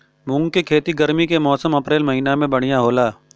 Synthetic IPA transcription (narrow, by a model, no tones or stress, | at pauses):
mʊ̃ŋɡkekʰeːt̪iɡɐɾmikemɔːsəmɐpɾeːlmɐɦiːnamẽbɐɽ̤ijaɦoːlaː